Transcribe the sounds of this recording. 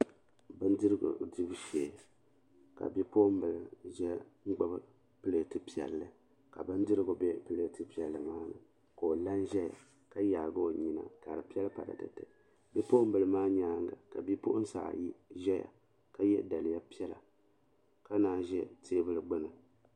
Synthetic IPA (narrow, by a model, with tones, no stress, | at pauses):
bɨ˦n˦dɨ˦ɾɨ˦ɡʊ̰˨dɨ˦bʃeː˨ | ka̰˨bi˦po˦ʔm̩˦bɨ˨lɨ˨ʒɛ˦ŋ̩˦ɡ͡bɨ˦bɨ˦ | pɨ˦le˨tɨ˦pi˨ɛ̰˨lːɨ˨ | ka˨bɨ˦n˦dɨ˦ɾɨ˦ɡo˨bɛ˦pɨ˦le˦˨tɨ˦pi˨ɛ˨lːɨ˨maː˦nɨ̰˨ | ko˨o˨la˦nʒɛ˦ja̰˨ | ka˦jaː˨ɡo˦˨ɲi˨na̰˨ka˨ɾɨ˨pi˦ɛ˦lpa˨ɾa̰˨tɨ̰˨tɨ˨ | bi˦po˦ʔm̩˦bɨ˨lɨ˨maː˦ɲaː˦ŋɡa̰˨ka˨bi˦po˦ʔʊ˦n̩˦sa̰˨ji˦ʒɛ˦ja̰˨ | ka˦jɛ̰˦da˨lɨ˨ja˦pi˦ɛ˦la̰˨ | ka˦naː˨ʒɛ˦tʰeː˦bɨ˦lɨ˦ɡ͡bɨ˦nɨ˨